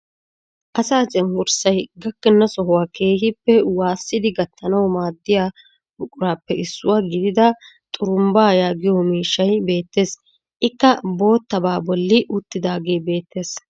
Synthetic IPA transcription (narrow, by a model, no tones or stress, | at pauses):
ʔɐsaːt͡ʃʼɛŋɡʊɾsɐjɡɐkːɛnːɐsɔɦʊwaːke̞ːhɪpːɛwaːsːɪd̪ɪɡɐt̪ʰːɐnɐwmaːd̪ːɪjaː | bʊkʼʊɾaːpːɛɪsːʊwaːɡɪd̪ɪd̪ɐ | t̪ʼʊɾʊmbaːjaːɡɪjɔmiːʃːɐjbe̞ːt̪ːe̞ːs | ʔɪkːɐbo̞ːt̪ːɐbaːbɔlːɪʔʊt̪ːɪd̪aːɡe̞ːjbe̞ːt̪ːe̞ːs